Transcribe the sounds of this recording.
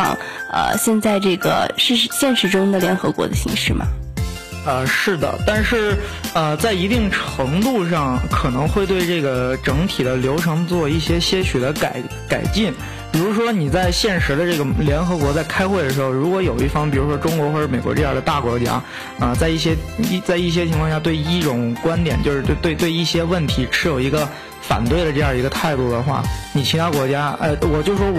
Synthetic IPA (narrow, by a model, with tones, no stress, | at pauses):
ɑ̰˥˧˩ŋə̰˧˩ɕjɛ˥˧nt͡sa˥˧ɪʈ͡ʂɤ˥˩ɡə̰˩ʂɻ̩˥˩˥ɕjɛ˥˩nʂɻ̩˧˥ʈ͡ʂʊ˥ŋd̪ə˨ljɛ˧˥nxɤ˧˥kwɔ̰˧˥d̪ə˧ɕḭ˧˥ŋʂɻ̩˥˩mɐ̰˨˩ | ə˧ʂɻ̩˥˩d̪ə̰˩t̪a˥˧nʂɻ̩˥˩ə˧t͡sa˥˩ɪi˧˥t̪i˥˩ŋʈ͡ʂʰɤ˧˥ŋt̪u˥˧ʂ̬ɑ˥˩ŋkʰɤ˨˩nɤ˧˥ŋxwe˥˧ɪt̪we˥˧ɪʈ͡ʂɤ˥˩ɡə˩ʈ͡ʂɤ˧˥ŋt̪ʰi˨˩d̪ə˦ljo˧˥ʊʈ͡ʂʰɤ˧˥ŋt͡swɔ˥˧i˥˩ɕjɛ˥ɕjɛ˥ɕy˨˩t̪ə˧˥ka˨˩ɪ | ka˨˩ɪt͡ɕi˥˩n | pi˨˩ɻu˧˥ʂ̬wɔ˥ni˨˩t͡sa˥˧ɪɕjɛ˥˩nʂɻ̩˧˥d̪ə˧ʈ͡ʂɤ˥˩ɡə˩ljɛ˧˥nxɤ˧˥kwɔ˧˥t͡sa˥˩ɪkʰa˥ɪxwe˥˩ɪd̪ə˩ʂɻ̩˧˥xo˧ʊɻu˧˥kwɔ˧˥jo˨˩ʊi˥˩fɑ˥ŋpi˨˩ɻu˧˥ʂwɔ˥ʈ͡ʂʊ˥ŋkwɔ˧˥xwɔ˥˩ɻ̩˧˥˩me˨˩ɪkwɔ̰˧˥ʈ͡ʂɤ˥˧jɑ̰˥˧˩d̪ə˧t̪a˥˩kwɔ˧˥t͡ɕja̰˥ | ə˧t͡sa˥˧ɪi˥˩ɕ̬jɛ˥i˥˩t͡sa˥˧ɪi˥˩ɕ̬jɛ˥t͡ɕʰi˧˥ŋkʰɑ˥˧ŋɕja˧t̪we˥˧ɪi˥˩ʈ͡ʂʊ˨˩ŋkwa˥nt̪jɛ˨˩nt͡ɕjo˥˧ʂɻ̩˥˧˥t̪wɪt̪we˥˧ɪi˥˩ɕjɛ˥wə˥˩nt̪ʰi˧˥ʈ͡ʂʰɻ̩˧˥jo˨˩ʊi˧˥ɡə˧ | fa̰˨˩nt̪we˥˩ɪɾə˩ʈ͡ʂɤ˥˧jɑ˥˧˩ə˧˥ɡə˧t̪ʰa˥˧ɪt̪u˥˩d̪ə˩xwa̰˥˩ni˨˩t͡ɕʰi˧˥t̪ʰa˥kwɔ˧˥t͡ɕja˥ə˧wɔ˨˩t͡ɕjo˥˧ʊʂʂwɔ˥